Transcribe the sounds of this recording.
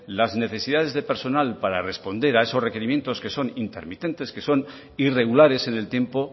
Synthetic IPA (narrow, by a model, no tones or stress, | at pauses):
lazne̞θe̞siðað̞e̞zðe̞pe̞ɾso̞nalpaɾare̞spo̞nd̪e̞ɾae̞so̞zre̞ke̞ɾimje̞nt̪o̞ske̞so̞nint̪e̞̰ɾmit̪e̞nt̪e̞ske̞so̞n | ire̞ɣulaɾe̞se̞ne̞lt̪je̞mpo̞